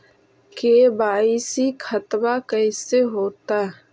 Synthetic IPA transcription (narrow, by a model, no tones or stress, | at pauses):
kebaːisikʰɐt̪bakɛːseɦoːt̪aɦɛ